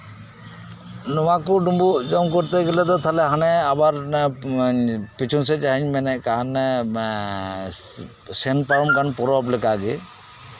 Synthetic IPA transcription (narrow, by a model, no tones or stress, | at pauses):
nɔwakɔɖumbuʔd͡ʒɔmkɔɾt̪ɛɡɛlɛt̪ɔt̪ʰalɛɦanɛabaɾ | pit͡ʃʰunsɛt͡ʃaɦiɲmɛnɛʔkan | sɛnpaɾɔmkanpɔɾɔplɛkaɡɛ